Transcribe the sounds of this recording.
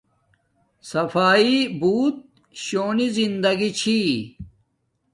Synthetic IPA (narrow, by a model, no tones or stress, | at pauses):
sɐfaːibuːt̪̚ | ɕoːnizind̪ɐɡit͡ɕʰi